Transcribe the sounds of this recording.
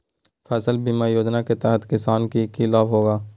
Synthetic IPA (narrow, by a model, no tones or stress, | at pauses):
fɛːsəlbimaːjoːd͡ʒ̪naket̪ɛɦət̪kɪsaːnkikilaːʋɦoːɡaː